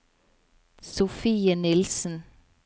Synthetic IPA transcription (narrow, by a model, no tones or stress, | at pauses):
sʊfiːənɪlsn̩